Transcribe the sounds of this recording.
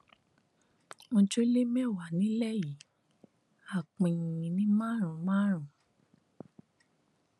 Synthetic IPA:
mõ˧d͡ʒo˦le˦mɛ̃˦˨wa˨nĩ˨˦lɛ˦˨ji˨˦ | a˦˨k͡pĩ˨jĩ˨nĩ˦mã˦˨ɾ̃ũ˨mã˦ɾ̃ũ˨

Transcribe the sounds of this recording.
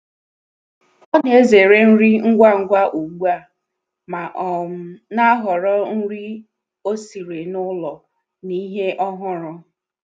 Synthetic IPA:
ɔ˦n˦e˦ze˨ɾe˦n̩˦ɾi˦ŋ̩˦ɡʷa˦ŋ̩˦ɡʷa˦ʔu˨ɡ͡bu˦a˦˨ | ma˨ʔɔ˨m̩˦na˦ɦɔ˨ɾɔ˦n̩˦ɾi˦ | o˦si˨ɾe˨nʊ˦lɔ˨ | ni˦ɦe˦ʔɔ˦ɦʊ˦ɾʊ˦

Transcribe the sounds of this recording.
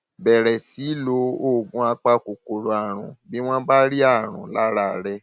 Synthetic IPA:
bɛ˨ɾɛ˨si˨˦lo˧˦o˦˨ɡũ˧˦a˧k͡pa˧ko˨ko˨ɾo˨a˨ɾ̃ṵ̃˨bi˦w̃ɔ̃˦ba˦ɾi˦a˦˨ɾ̃ṵ̃˨la˦ɾa˦˨ɾɛ˧

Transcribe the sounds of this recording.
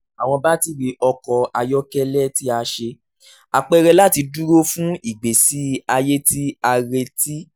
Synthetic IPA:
a˨w̃ɔ̃˧ba˦ti˧ɾi˧ʔɔ˧kɔ˧a˧jɔ˦kɛ˦lɛ˦ti˦a˧ʃe˧ | a˧˨k͡pɛ˧ɾɛ˧la˦ti˧du˦ɾo˦fũ˦i˦˨ɡ͡be˨si˨˦a˧je˦ti˦a˧ɾe˧ti˦

